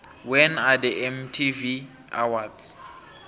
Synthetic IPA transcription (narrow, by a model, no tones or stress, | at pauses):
wɛnadɛʔɛmtʰivi | a̰wadz